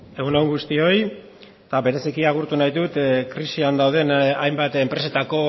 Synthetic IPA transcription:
e̞ɣunawŋɡust̪io̞j | t̪aβe̞ɾe̞sikiaɣ̞uɾt̪unajðut̪kɾisiand̪awð̞e̞najmbat̪empɾe̞se̞t̪ako̞

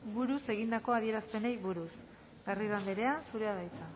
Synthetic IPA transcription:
buɾuse̞ɣ̞ind̪ako̞aðie̞ɾaspe̞ne̞jβuɾus | ɡariðand̪eɾe̞ansuɾe̞aðajt͡s̪a

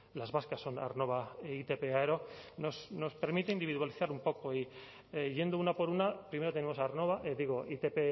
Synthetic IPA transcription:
lazβaskasːo̞na̰rno̞β̞ait̪epeaeɾono̞sno̞speɾmit̪e̞ind̪iβiðwaliθaɾumpo̞ko̞i | eʝe̞nd̪ounapo̞ɾunapɾime̞ɾo̞t̪enemo̞saɾno̞β̞aʔed̪iɣ̞oit̪epe

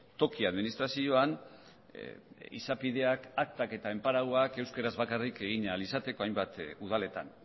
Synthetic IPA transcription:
t̪o̞kiaðminist̪ɾasio̞an | ḭsapiðe̞akak̚t̪ake̞t̪ae̞mpaɾawake̞wskeɾazβakarike̞ɣiɲalisat̪e̞ko̞ajmbat̪uð̞ale̞t̪an

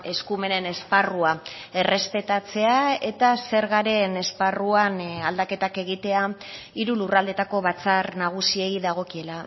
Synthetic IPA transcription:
e̞skume̞ne̞ne̞sparua | e̞re̞spe̞t̪at͡se̞ae̞t̪ase̞ɾɣaɾe̞ne̞sparuanald̪ake̞t̪ake̞ɣit̪e̞aiɾulurald̪e̞t̪ako̞βat͡sarnaɣ̞usie̞jðaɣ̞o̞kie̞la

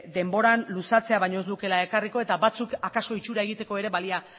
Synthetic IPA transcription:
d̪e̞mbo̞ɾanlusat͡se̞aβajɲo̞ezd̪uke̞lae̞kariko̞e̞t̪aβbat͡sukakaso̞it͡ʃuɾae̞ɣ̞it̪e̞ko̞e̞ɾe̞βalia

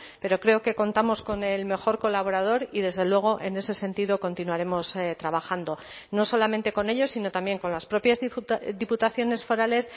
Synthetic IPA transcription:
pe̞ɾo̞kɾe̞oke̞ko̞nt̪amo̞sko̞ne̞lme̞xo̞ɾko̞laβ̞o̞ɾað̞o̞ɾiðe̞zðe̞lwe̞ɣ̞o̞ʔe̞ne̞se̞se̞nt̪iðo̞ko̞nt̪inuaɾe̞mo̞st̪ɾaβaxand̪o̞ | no̞so̞lamẽ̞nt̪e̞ko̞ne̞ʎo̞sino̞t̪ambje̞ŋko̞nlaspɾo̞pjazðiput̪aθjo̞ne̞sfo̞ɾale̞s

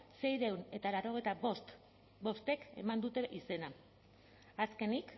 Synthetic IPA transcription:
se̞jɾewne̞t̪alaɾo̞ɣ̞e̞jt̪aβost̪ | bo̞st̪e̞ke̞̰mand̪ut̪e̞ʔise̞na | aske̞nik

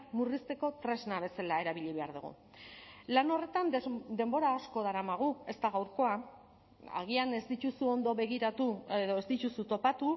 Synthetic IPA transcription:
murist̪e̞ko̞t̪ɾe̞znaβ̞e̞selae̞ɾaβiʎiβ̞e̞aɾðuɣṵ | lano̞re̞t̪and̪e̞mbo̞ɾaːsko̞ð̞aɾamaɣ̞ue̞st̪aɣawɾko̞a | a̰ɣ̞iane̞zd̪it̪usuo̞nd̪o̞βe̞ɣ̞iɾat̪uðo̞ezd̪it̪usut̪o̞pat̪u

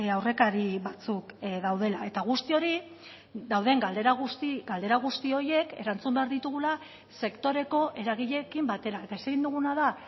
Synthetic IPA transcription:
awre̞kaɾiβat͡sukðawð̞e̞lae̞t̪aɣ̞ust̪io̞ɾi | ðawðe̞ŋɡald̪eɾaɣust̪iɡald̪e̞ɾaɣ̞ust̪io̞je̞ke̞̰ɾant͡sumbe̞aɾðit̪uɣ̞ula | se̞kt̪o̞ɾe̞ko̞ʔe̞ɾaɣ̞iʎe̞kimbat̪e̞ɾae̞t̪aese̞ɣind̪uɣunaða

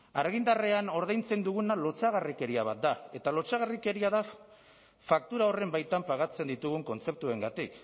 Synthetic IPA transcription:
aɾɣ̞ind̪areano̞ɾðajnt͡se̞nd̪uɣunalo̞t͡saɣarike̞ɾiaβ̞at̪̚d̪ae̞t̪alo̞t͡saɣ̞arike̞ɾiaða | fak̚t̪uɾao̞re̞mbajt̪ampaɣat͡se̞nd̪it̪uɣ̞uŋko̞nt͡se̞p̚t̪ue̞ŋɡat̪ik

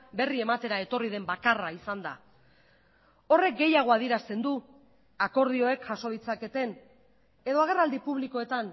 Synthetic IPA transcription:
be̞rie̞mat̪e̞ɾae̞t̪o̞rið̞e̞mbakaraisand̪a̰ | o̞re̞k̚ɡe̞jaɣ̞o̞aðieɾast̪e̞nd̪u | ako̞ɾðio̞e̞kʝaso̞ð̞it͡sake̞t̪e̞n | e̞ðo̞aɣ̞e̞rald̪ipuβ̞liko̞e̞t̪an

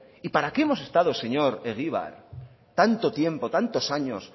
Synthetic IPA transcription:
ipaɾakeemo̞se̞st̪að̞ose̞ɲoɾeɣiβ̞a̰ɾ | t̪ant̪ot̪je̞mpot̪ant̪osaɲos

